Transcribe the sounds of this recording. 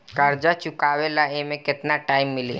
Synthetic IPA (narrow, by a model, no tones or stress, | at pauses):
kɐɾd͡ʒat͡ʃʊkaːʋelaemẽkɪt̪naʈaːɪmːɪlḭː